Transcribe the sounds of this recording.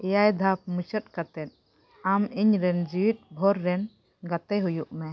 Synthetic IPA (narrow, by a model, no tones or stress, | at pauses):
ɛjajd̪ʱap̚mut͡ʃʰət̪̚kat̪ɛn̚ | amiɲɾɛnd͡ʒiwit̪̚bʱɔɾːɛn | ɡat̪ɛɦujuʔmɛ